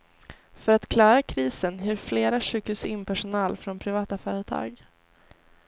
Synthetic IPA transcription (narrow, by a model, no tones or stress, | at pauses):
fœɾat̪kʰlɑːɾakʰɾiːsənjʏːɾfleːɾaʂʉ̟ːkhʉːsɪnpʰæʂʊnɑːlfɾɔnpʰɾɪvɑːt̪afœːɾət̪ʰɑ̰ːɡ